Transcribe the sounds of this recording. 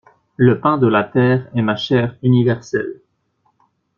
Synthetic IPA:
ləpɛ̃d̪əlat̪ɛːʁɛmaʃɛːʁynivɛʁsɛ̰l

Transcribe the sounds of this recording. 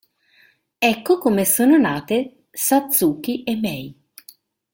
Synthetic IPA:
ɛkːokomesoːnonaːt̪e | sat̪suːkːiʔemːɛj

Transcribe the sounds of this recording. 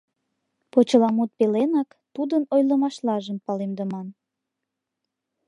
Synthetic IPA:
pot͡ɕəlɑmut̪̚pelenɑk | t̪ud̪ənojləmɑʃlɑʒəmpɑlemd̪əmɑn

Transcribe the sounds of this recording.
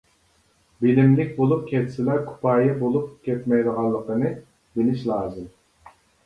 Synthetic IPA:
bɪlɪmlɪk̚ʲbolˠup̚kʲʰɛt̪ʰsɪlɛkʰu̥pʰɑːjɛbolˠup̚kʲʰɛt̪mɛjd̪əʁɑnlˠːəqənɨ | bɪlɪʃlˠɑːzɨm

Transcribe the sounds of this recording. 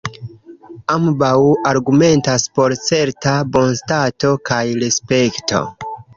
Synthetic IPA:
ambawaɾɡume̞ntaspo̞ɾt͡se̞ɾtabo̞nstato̞kajɾespe̞kto̞̰

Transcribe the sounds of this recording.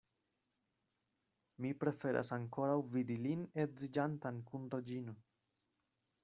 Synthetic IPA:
mipɾe̞fe̞ɾʔa̰saŋko̞ɾawvidilinetzid͡ʒantankunɾed͡ʒino

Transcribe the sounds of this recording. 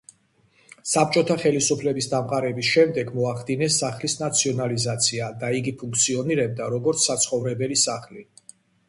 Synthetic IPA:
sap̚ʰt͡ʃʼɔt̪ʰaχɛlisupʰlɛbisd̪amqʼaɾɛbisʃɛmd̪ɛɡmɔaχd̪inɛsaχlisnat̪sʰiɔnalizat̪sʰiad̪aiɡipʰuŋkʰt̪sʰiɔniɾɛb̚d̪aɾɔɡɔɾt̪sʰːat̪sʰχɔvɾɛbɛlisaχli

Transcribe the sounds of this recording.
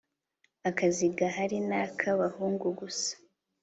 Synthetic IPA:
akaziɡaɦaɾinaːkʰaβahuːŋɡuɡusḁ

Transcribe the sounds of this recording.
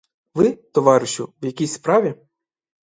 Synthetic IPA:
ʋɪt̪ɔʋɑɾɪʃʊwjɐkʲisʲspɾɑʋʲi

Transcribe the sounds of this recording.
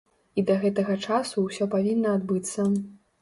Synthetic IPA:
id̪ɐɣɛt̪ɐɣɐt͡ʂasuwsʲɔpavʲinːɐːd̪bɨt̪sːɐ

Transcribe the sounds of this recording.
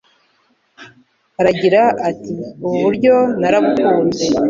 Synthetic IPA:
aɾaɟiɾaatiuβuβuɾɟo̞naɾabɡuːnze

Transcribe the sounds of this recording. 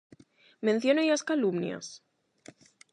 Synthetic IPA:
mẽn̟θjonejaskalumnja̰s

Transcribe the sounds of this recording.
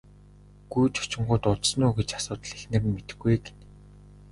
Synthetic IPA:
ɡ̥ujt͡ɕʰʊ̥t͡ɕɪ̆ɴɢʊːt̪ʊt̪snuːɡet͡ɕasʊːt̪ə̆ɮexnɘ̆rmet̪ɘ̥̆ɡujɡe̥n

